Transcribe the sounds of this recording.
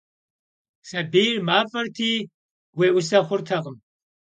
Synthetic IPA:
sʼɐbiːrmaːfʼɐrtʰiː | weːʔʊsɐχʷʊrtʰɐʁəm

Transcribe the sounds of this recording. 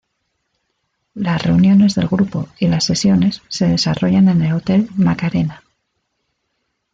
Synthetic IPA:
lasre̞unjo̞ne̞zðe̞lɣɾupo̞ilasːe̞sjo̞ne̞sːe̞ðe̞saro̞ʝane̞ne̞lo̞t̪e̞lmakaɾe̞na

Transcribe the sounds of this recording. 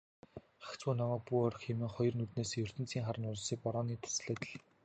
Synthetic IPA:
χḁkt͡suːnɔmæːk̚puɔɾ̆xxemɘ̆ŋχɔjɞ̆rnut̪neːseːjɵr̥t̪ɘ̆nt͡siːŋχaɾə̆nʊɮ̆siːk̚pɔɾɔːniːt̪ʰḁsɮeːt̪ɮ

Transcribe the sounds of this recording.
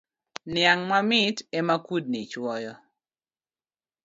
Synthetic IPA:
nɪaŋmamɪtemakud̚nit͡ʃwɔjɔ

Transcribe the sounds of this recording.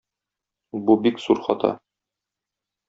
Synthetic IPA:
bubikzuɾχɒt̪ʰɑ̰

